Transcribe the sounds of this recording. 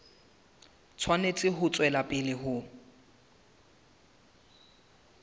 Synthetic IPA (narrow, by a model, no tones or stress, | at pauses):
t͡sʰwanet͡sʼɪɦʊt͡sʼwɛlapʼɪlɪɦʊ